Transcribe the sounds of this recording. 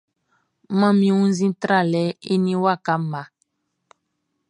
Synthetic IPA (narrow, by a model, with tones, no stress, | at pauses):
mã˦mĩ˦wũ˦n˦zĩ˦tɾa˦˨lɛ˨˦e˦nĩ˦wa˦˨ka˨˦ma˨˦